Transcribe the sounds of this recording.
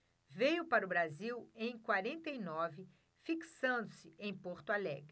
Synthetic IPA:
vejʊpaɾʊbɾaziwẽj̃kwaɾẽnt̪ejnɔvɪ | fiksɐ̃nd̪ʊsɪẽj̃poɾt̪ʊalɛ̰ɡɾɪ

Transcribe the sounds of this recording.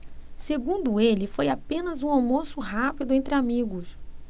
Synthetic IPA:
seɡũnd̪ʊelɪfojapẽnɐzũawmosʊɦapid̪ʊẽnt̪ɾɪamiɡʊs

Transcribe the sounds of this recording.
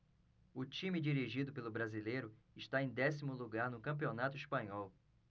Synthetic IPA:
ʊt͡ʃĩmɪd͡ʒiɾiʒid̪ʊpelʊbɾazilejɾʊ | ɪʃt̪aẽj̃d̪ɛsimʊluɡaɾnʊkɐ̃p̬ionat̪ʊispɐ̃ɲɔw

